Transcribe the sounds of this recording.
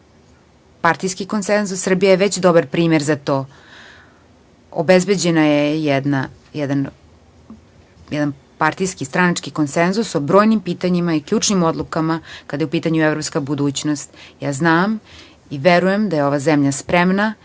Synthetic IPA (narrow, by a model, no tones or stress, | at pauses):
paɾt̪ijskiko̞nsenzusːr̩bijajeʋet͡ɕd̪obaɾpɾiːmeɾzat̪oː | o̰bezbed͡ʑenajejɛd̪na | jɛd̪an | jɛd̪an | paɾt̪ijskist̪ɾanat͡ʂkiko̞nsenzusobɾo̞ːjnimpiːt̪aɲimaikʎʲuːʈ͡ʂnimo̞d̪lˠukamakad̪ajupiːt̪aɲuevɾopskabud̪uːt͡ɕnost̪jaːznaːm | iʋeɾujemd̪ajeo̞ʋazemʎaspɾemna